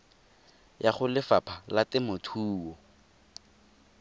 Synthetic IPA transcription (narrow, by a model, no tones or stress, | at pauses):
jaχʊlɪfapʰalatɪmʊtʰuːwɔ